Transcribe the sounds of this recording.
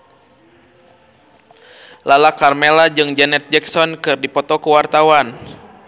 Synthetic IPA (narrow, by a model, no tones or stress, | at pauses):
lalakarmɛlad͡ʒɨŋd͡ʒɛnɛt̪̚d͡ʒɛksɔnkɨrdipɔt̪ɔkuwart̪awan